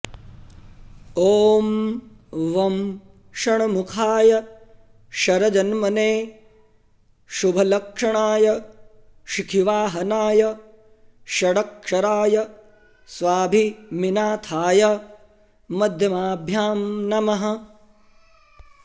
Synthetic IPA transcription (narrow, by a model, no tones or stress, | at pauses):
oːm | ʋɐm | ʃɐɳɐmukʰaːjɐ | ʃɐɾɐd͡ʒɐnmɐneː | ʃubʱɐlɐkʂɐɳaːjɐ | ʃikʰiʋaːɦɐnaːjɐ | ʃɐɽɐkʂɐɾaːjɐ | sʋaːbʱiminaːt̪ʰaːjɐ | mɐd̪ʱjɐmaːbʱjaːmnɐmɐɦɐ̆